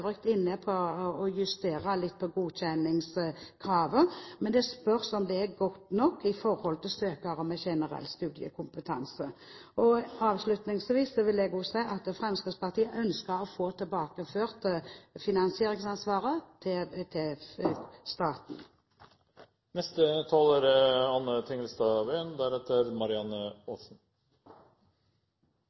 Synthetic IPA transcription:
ʋʁɪkt̪ɪnːəpʰɔɔjʉst̪eːɾəlɪt̪̚ːpʰɔɡuːçɛnɪŋskʰɾɑːʋəmɛnd̪ɛspœʁsɔmd̪ɛæɾɡɔt̪ːnɔkːɪfɔɾhɔlt̪ʰɪlsøːkɑʁəmɛçɛnəɾɛ̰lːst̪ʉːd̪ɪə̰kʰʊmpət̪ʰɑ̰nsəɔɑːʋslʉt̪nɪŋsʋiːsːɔʋɪlɛɡʊsæɪʔɑt̪fʁɛmskəspɑʁt̪ʰiːəʔœnskəɾɔfoːt̪ʰɪlbɑːkəføːʁt̪əfɪnɑnsɪeːʁɪŋsɑnsʋɑːʁət̪ʰt̪ʰɛ | st̪ɑːt̪n̩ | nɛst̪ət̪ʰɑːlæɾɑnːət̪ʰɪŋəlst̪ɑʋeːnd̪æɾɛt̪əɾmɑɾɪɑnəɔsn̩

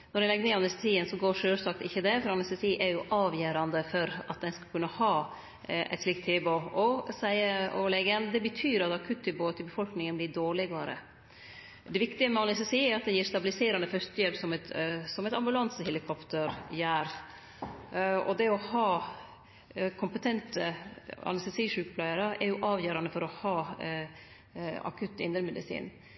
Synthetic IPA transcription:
nɔɾɛlɛɡːəneːɑnɛst̪ɛsiːənsɔɡoːɾʂøːlsɑkt̪ɪçːəd̪ɛfɾɑɑnɛst̪ɛsiːʔɛɾjʊʔɑːʋjæːɾɑnd̪əfɔɾɑt̪̚d̪ɛnskɑlkʰʉnːəhɑː | ʔɛ̰t̪slɪk̚t̪ʰɪboʔɔsæɪəɔlɛɡənd̪ɛbət̪ʰyːɾɑt̪ɑkʰʉt̪ʰːɪboːət̪ʰɪbəfɔlknɪŋənbliːɖoːɭɪɡɑɾə̰ | d̪ɛʋɪkt̪ɪəmɛɑnɪst̪ɛsiːɛɾɑt̪̚d̪ɛjiːɾst̪ɑbɪlɪseːɾɑnd̪əfœst̪jɛlpsɔmɛt̪sɔmɛt̪ɑmbʉlɑnsəhɛlɪkʰɔpt̪əɾjæːɾ | ɔ̰d̪ɛɔhɑː | kʰʊmpət̪ʰɛnt̪əɑ̰nɛst̪ɛsiːʂʉːkəpʰlæɪəɾəʔɛɾjʊʔɑːʋjøːɾɑnəfɔɾɔhɑː | ɑ̰kʰʉt̪ːɪ̰nd̪ɾəmɛd̪ɪsḭːn

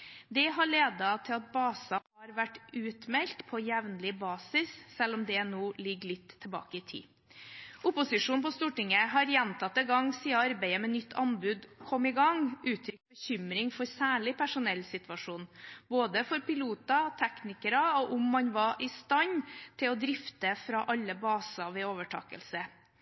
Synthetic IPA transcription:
d̪ɛɦɑɭeːd̪ɑt̪ʰɪlɑt̪̚bɑːsɑhɑɾʋæʈːʉːt̪mɛlt̪pʰɔjɛʋnlɪbɑːsɪssɛlɔmd̪ɛnuːlɪɡːɭɪt̪ʰːɛlbɑ̰ːkəɪt̪ʰḭː | ʊpʊsɪʂuːnpɔst̪uːʈɪŋəɦɑɾjɛnt̪ʰɑt̪ːɛɡɑŋsiːɑɑɾbæɪəmɛnʏt̪ːʰɑnbʉd̪kʰɔmːɪɡɑŋʔʉːt̪ʰɾʏkbəçʏmɾɪŋfɔɾsæːɭɪpʰæʂʊnɛlːsɪt̪ʋɑʂuːnboːd̪əfɔɾpɪluːt̪ɑt̪ʰɛknɪkəɾɑɔʔʊmːɑnʋɑʔɪst̪ɑɲt̪ʰɪlɔd̪ɾɪft̪əfɾɑʔɑlːəbɑːsɑʋɛoːʋəʈʰɑ̰ːkə̰lsə

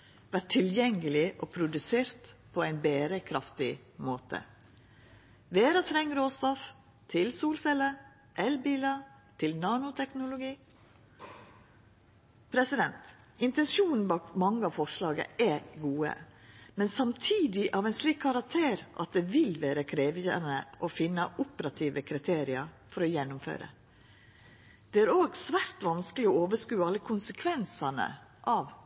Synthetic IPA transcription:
ʋæʈʰːɪljɛŋːəlɪʔoːpʰɾʊd̪ʉseːɾt̪pʰoæɪnbeːɾəkʰɾɑft̪ɪ | moːt̪ʰə̰ | ʋeːɾɑt̪ʰɾɛŋːɾoːst̪ɔf | t̪ʰɪlsuːlsɛlə | ʔɛlbiːlɑ | t̪ʰɪlnɑːnʊt̪ʰɛknʊlʊɡiː | pʰɾɛsɪd̪ɛnt̪ | ʔɪnt̪ɛnsuːnn̩bɑːkmɑŋːəɑʋfɔʂlɑːɡə̰ɛɡuːə̰mɛnsɑmt̪ʰiːd̪ɪʔɑʋɛɪnsliːkkʰːɑɾɑk̚t̪ʰeːɾʔɑ̰t̪̚d̪ɛʋɪlʋæːɾəkʰɾeːʋjə̰nəʔɔfɪnːəʔʊpəɾɑt̪ʰiːʋəkʰɾɪt̪ʰeːɾɪɑɾ | fɔɾɔjɛnːʊmfø̰ːɾə̰ | d̪̥ɛæːɾoːɡsʋæːɾt̪ʋɑnskəlɪɔoːʋəʂkʉːəɑlːəkʰʊnsəkʰʋɛnsɑnə̰ʔɑːʋ

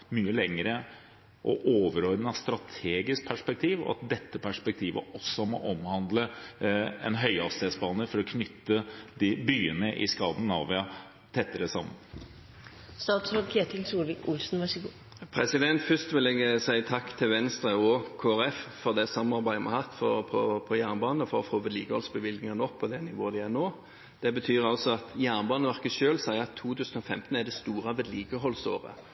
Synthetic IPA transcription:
myːəlɛŋːəɾə | ʔɔ̰ʔoːʋəɾɔɾnɑst̪ɾɑt̪ʰeːɡɪsk̚pʰæʂpɛk̚t̪ʰiːʋɔ̰ɑ̰t̪̚d̪ɛt̪ːəpʰæʂpɛk̚t̪ʰiːʋə̰ɔsːɔmɔ̰ʔɔmhɑnd̪lə | ɛ̰nɦœʏɑst̪eːt̪sbɑːnəfɔɾɔkʰnʏt̪ːəd̪ɪbyːənəʔɪskɑːd̪n̩ɑːʋɪɑ | t̪ʰɛt̪ːəɾəsɑ̰mːə̰n | st̪ɑːt̪sokʰeːt̪ʰɪlsuːɾʋɪkʊlsnʋɑʂəɡuː | pʰɾɛsɪd̪ɛnt̪fʏst̪ʋɪlɛɡəsæɪt̪ʰɑkːt̪ʰɪlʋɛnst̪ɾəɔkʰoːæʁɛffɔʁd̪ɛsɑmɑɾbæɪəmʔɑ̰hɑt̪ːfɔpʰɔpʰɔjæːʁnbɑːnəɔfɔʁɔfoːʋɛd̪liːɡəhɔlsbəʋɪlɡ̪nɪŋənɔkpʰɔd̪ɛnɪʋoːəd̪ɪænoː | d̪̥ɛbət̪ʰyːɾɑlsɔɑt̪jæːnbɑːnəʋæʁkəʃøːlsæɪəɑt̪ʰːuːt̪ʰʉːsən̩ɔfɛmt̪n̩æd̪ɛst̪uːʁɑʋɛd̪liːɡəɦɔlso̰ːʁə̰

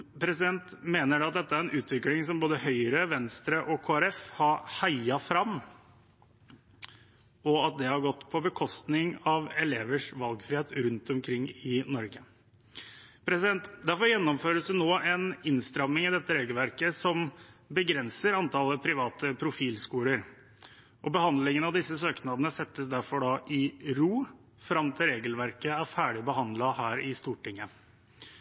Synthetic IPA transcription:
pʰɾɛsɪd̪ɛnt̪meːnəɖɛɑt̪̚d̪ɛt̪ːəæɾɛnʔʉːt̪ʋɪklɪŋsɔmboːd̪əhœʏəɾəʋɛnst̪ɾəʔɔkʰoːæɾɛfhɑɾhaɪɑfɾɑm | ɔɑt̪̚d̪ɛhɑɾɡɔt̪ːpʰɔbəkʰɔst̪nɪŋɑʋɛleːʋəʂʋɑlɡfɾɪːeːt̪ɾʉnt̪ɔmkʰɾɪŋːɪnɔɾɡə | pʰɾɛsɪd̪ɛnt̪d̪æɾfɔɾjɛnːɔmføːɾəsd̪ʉnoːɛnɪnst̪ɾɑmːɪŋɪd̪ɛt̪ːəɾeːɡəlʋæɾkəsɔmbəɡɾɛnsəɾɑnt̪ʰɑləpʰɾɪʋɑːt̪əpʰɾʊfiːlskuːləɾ | ʔɔbəhɑnd̪lɪŋənɑʋd̪ɪsːəsøːknɑd̪ənəsɛt̪ːəsd̪æɾfɔɖɑːʔɪɾuː | fɾɑmt̪ʰɪlɾeːɡəlʋæɾkəæɾfæːɖɪbəɦɑnd̪lɑhæːɾɪst̪uːʈɪŋːə

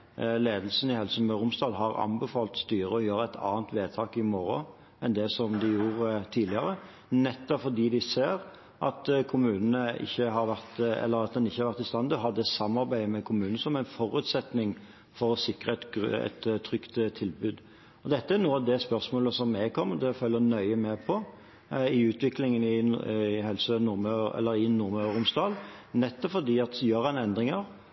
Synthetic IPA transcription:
leːd̪lsən̩ɪhɛlsəmɛɾʊmsd̪ɑːd̪ɦɑɾɑ̰mbɛfɑːlt̪st̪yːɾəɔjøːɾəæɪt̪ʰɑ̰ːnt̪ʋeːt̪ʰɑːkɪmɔɾɔ | ʔɛnd̪ɛsɔmd̪ɪjuːʁt̪ʰiːd̪lɪɑɾə | nɛt̪ːɔpfɔʁd̪iːd̪ɪseːɾ | ʔɑt̪kʰʊmʉːnənəɪ̰çːəɦɑɾʋæʁt̪ɛ̰lːəɾɑt̪̚d̪ɛnɪçːəhɑɾʋæʁt̪ɪst̪ɑnd̪əɦɑd̪ɛsɑmːɑɾbæɪmɛkʰʊmʉːnəsɔmæɪnfɔɾʉt̪sɛt̪nɪŋ | fɔɾɔsɪkʁəɛt̪ɛ̰t̪t̪ʰːɾʏkt̪t̪ʰːɪlbʉːd̪ | ɔd̪ɛt̪ːəæɾnuːəɑʋd̪ɛspœʁsmoːləsɔmːɛɡ̚kʰɔmːəd̪ɛfœlːənœʏəmɛpʰɔ | ɪʉːt̪ʋɪklɪŋənɪɦɛlsənʊɾmɑɛ̰lːəɾɪnʊɾmɾʊmsd̪ɑːlnɛt̪ːɔpfɔd̪iːɑt̪jøːʁɛnɛnd̪ʁɪŋəʁ

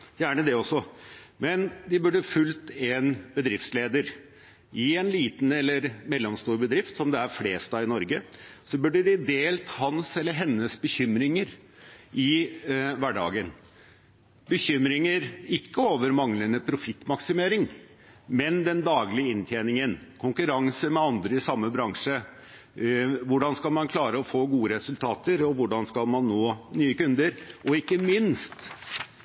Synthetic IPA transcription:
jæːɳəd̪ɛɔsːɔmɛnd̪ɪbʉɖəfʉlt̪ɛnbəd̪ɾɪft̪sleːd̪əɾ | ɪɛnliːt̪n̩ɛlːəɾmɛlːɔmst̪uːɾbəd̪ɾɪft̪sɔmd̪ɛæɾfleːst̪ɑɪnɔɾɡəsɔbʉɖəɖɪd̪eːlt̪hɑnsɛlːəɾɦɛnːəsbəçʏmɾɪŋəɾ | ʔɪ | ʋæɖɑ̰ːɡən | bəçʏmɾɪŋəɾɪkːəoːʋəɾmɑŋlənəpʰɾʊfɪt̪ːmɑksɪmeːɾɪŋ | mɛnd̪ɛnd̪ɑːɡlɪəɪnt̪ʰjeːnɪŋənkʰʊŋkʉɾɑŋsəmɛɑnd̪ɾəɪsɑmːəbɾɑŋʂə | ʋʊɖɑnskɑlmɑnkʰlɑːɾəɔfoːɡuːəɾɛsʉlt̪ʰɑːt̪əɾɔʋʊɖɑnskɑlmɑnːoːnyːəkʉnd̪əɾʔɔɪkːəmɪnst̪

